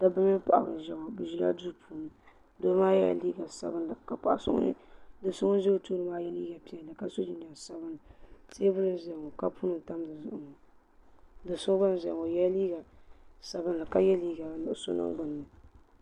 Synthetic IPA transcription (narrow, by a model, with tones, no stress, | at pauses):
da˦bɨ˦mɪ˦pa̰˨ʔa̰˨bɨ̰˨n˨ʒɛ˨ŋo˨bɨ˨ʒi˦la̰˦du˦pʰuː˦nɨ˨ | do˦maː˦jɛ̰˦˨liː˦ɡa˨sa̰˨bɨ˦nlka˦˨pa˨ʔsʊ̰˦nɨ̰˦dɨ˨sʊ˦ŋ˦ʒe˦o˦tuː˦ɾɨ˦maː˦jɛ˦liː˦ɡa˨pi˨ɛ˨dɨ˨ka˦so˦d͡ʒi˦n˨a˨sa˦bɨ˦nɨ˨te˦bʊ˦lɨ˦zɛ˨ŋo˨ka˦puː˦nɨ˦n˨ta˦mdɨ˨zʊ˨ʔʊ˨ŋo˨ | dɨ˨sʊ˦ŋ˦ba˦n˨ʒɛ˨ŋo˨jɛ˦li˦ɡa˨sa˨bɨ˦n˦lɨ˨ka˦jɛ˦liː˦ɡa˨nɨ˨ʔso̰˦nɨ̰˦ŋ˦ɡʊ˨nː˨ɨ˨